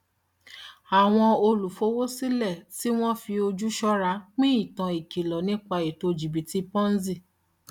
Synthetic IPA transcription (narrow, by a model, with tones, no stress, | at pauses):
a˨w̃ɔ̃˧o˧lu˨fo˨˦wo˦si˦lɛ˦˨si˦w̃ɔ̃˦fi˧o˧d͡ʒu˦ʃɔ˦ɾa˧˦k͡pĩ˦i˦˨tã˨i˨ki˨lɔ˨nĩ˦k͡pa˧i˨to˧d͡ʒi˨bi˨ti˧pɔ̃˦n̩˦zi˦˨